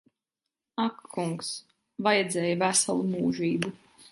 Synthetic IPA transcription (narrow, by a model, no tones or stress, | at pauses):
akːuŋks | vajɛd̪zɛːjavæsa̰lˠumuːʒiːbu